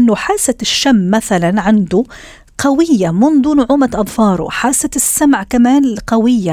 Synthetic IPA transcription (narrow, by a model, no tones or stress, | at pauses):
ɪnːʊħaːsaɪʃːamːaθalanʕand̪ʊ | qawɪjːamʊnd̪ˤunʊʕuːmat̪ʔɑðˤfɑːɾˤʊ̰ħaːsaɪsːamʕkamaːnqawɪjːa